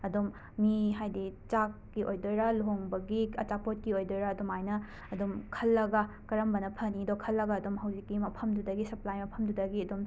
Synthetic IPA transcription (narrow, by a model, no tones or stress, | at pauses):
ɐdomː | iɦajdit͡ʃakːiʔojdojɾɐlɦoŋbɐɡiɐt͡ʃapot̚kiojdojɾɐːdomajnɐ | ɐdomkʰɐlːɐɡɐ | kɐɾɐmbɐnɐpʰɐnidokʰɐlːɐɡɐːdumɦɐwzikːimɐpʰɐmdudɐɡisɐplajmɐpʰɐmdudɐɡiɐdom